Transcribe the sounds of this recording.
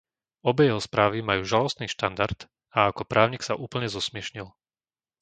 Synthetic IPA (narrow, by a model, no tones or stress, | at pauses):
ɔbɛjɛɦɔspɾaːʋimajuːʒalɔst̪niːʃt̪and̪aɾt̪ | aakɔpɾʔaːʊɲiːksaʔuːpl̩ɲɛzɔsmɪɛʃɲil